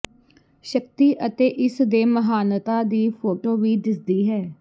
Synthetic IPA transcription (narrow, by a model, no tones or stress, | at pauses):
ʃək̚t̪iːʔət̪eːʔɪsd̪eːməɦaːnət̪aːd̪iːpʰoːʈoːʋiːd̪ɪsd̪iːɦɛː